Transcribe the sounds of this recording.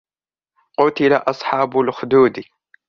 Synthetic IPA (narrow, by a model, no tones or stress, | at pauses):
qʊt̪ɪlaʔɑsˤħɑːbʊlxʊd̪uːd̪i